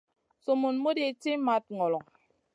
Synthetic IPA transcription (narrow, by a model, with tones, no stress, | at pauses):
so˨mo˨n˦mo˦de˨ti˦ma˦t̚ŋɔ˨lɔ˨ŋ